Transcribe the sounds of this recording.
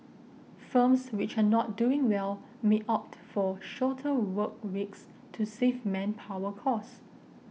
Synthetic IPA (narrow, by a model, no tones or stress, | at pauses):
fə̃mswɪt͡ʃanɔt̚duɪ̃ŋwɛl | meʔɔp̚tfɔʃɔtʰəwək̚wiks | tʰusevmɛ̃npʰawəkʰɔs